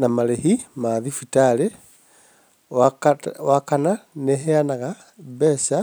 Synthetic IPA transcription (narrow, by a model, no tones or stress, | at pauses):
namalehimaðifitale | awakananeɦeanaɣa | besa